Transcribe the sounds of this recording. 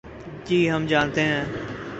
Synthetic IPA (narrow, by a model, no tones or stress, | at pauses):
d͡ʒiːɦəmd͡ʒaːnt̪eɦɛ̃ː